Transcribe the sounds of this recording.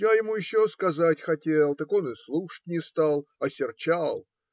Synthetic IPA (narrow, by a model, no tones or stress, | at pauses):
jajɪmujɪɕːoskɐzatʲxɐtʲelˠt̪əko̞nɨslˠuʂə̥t̚ʲnʲɪst̪alˠɐsʲɪrt͡ɕalˠ